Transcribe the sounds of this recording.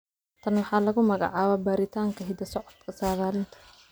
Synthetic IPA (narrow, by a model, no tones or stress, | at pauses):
t̪ʰɐnwɑħɑːlɐɣʊmɐɣɑ̰ʕɑːβaːbaːɾɪt̪ʰaːŋkʰɐɦɪd̪ɐsɔʕɔd̪kʰɐsaːɣaːlɪnt̪ʰɐ̥